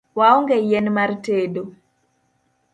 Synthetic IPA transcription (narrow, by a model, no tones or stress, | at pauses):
wawŋɡɛjɛnmaɾteːdo